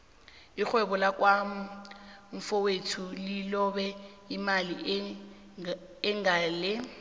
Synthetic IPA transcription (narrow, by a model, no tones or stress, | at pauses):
ik͡xwɛɓɔlakwa | ɱ̩fɔwetʰulilɔɓɛ | imali | ŋɡaːlɪ